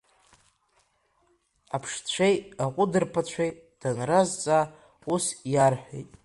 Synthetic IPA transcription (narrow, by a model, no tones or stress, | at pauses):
apʰʂt͡ɕʷʰejaqʷʼʊdɨrpʰat͡ɕʷʰej | d̥anrazt͡sʼa | usjarħʷᶣejtʼ